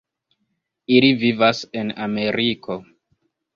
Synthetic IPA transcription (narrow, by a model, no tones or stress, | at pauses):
ilivivasename̞ɾikʰo